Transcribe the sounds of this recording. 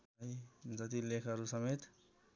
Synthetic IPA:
ʌid͡zʌt̪ilekʰʌɾusʌmet̪

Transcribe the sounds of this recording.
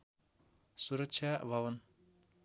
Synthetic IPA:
suɾʌkt͡ʃʰjabʱʌwʌn

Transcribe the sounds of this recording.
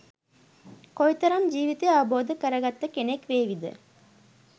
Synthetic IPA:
kojt̪ɐɾɐmd͡ʒiːʋit̪eaʋɐboːd̪əkəɾɐɡɐt̪ːəkenekʋeːʋid̪ə̰

